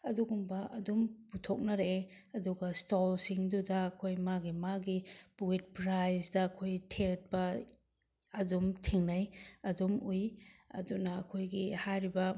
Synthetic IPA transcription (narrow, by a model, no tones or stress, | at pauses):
ɐduɡumbɐʔɐdumputʰok̚nɐɾe | ɐduɡɐstolsiŋdudɐːkʰojmaɡimaɡipuwit̚pɾajsdɐːkʰojtʰet̚bɐ | ɐdumtʰiŋnajɐdumujɐ̰dunɐːkʰojɡihajɾibɐ